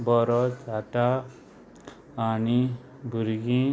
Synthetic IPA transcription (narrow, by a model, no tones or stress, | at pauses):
bɔɾɔt͡sd͡zʱaʈa | ni | bʱuɾɡĩ